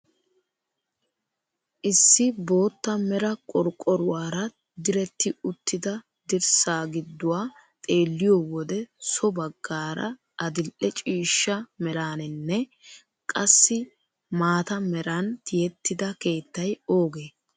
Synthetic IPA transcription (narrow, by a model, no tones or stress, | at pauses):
ʔɪsːɪbo̞ːt̪ːɐmɛɾɐkʼɔɾkʼːɔɾʊwaːɾɐ | d̪ɪɾɛt̪ːɪʊt̪ːɪd̪ɐ | d̪ɪɾsaːɡɪd̪ːʊwaː | t̪ʼe̞ːlːɪjoːwɔd̪ɛsɔbɐɡːaːɾɐ̰ | ɐd̪ɪlʔɛt͡ʃʼiːʃːɐmɛɾaːnɪnːɛ | kʼɐsːɪ | maːt̪ɐmɛɾɐnt̪ɪjɛt̪ːɪd̪ɐke̞ːt̪ːɐjo̞ːɡeː